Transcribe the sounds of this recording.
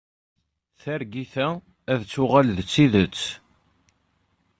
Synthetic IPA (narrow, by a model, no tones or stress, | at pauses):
θæɾɡiθæ | æðt͡sːʊʁalðət͡sːiðət͡sː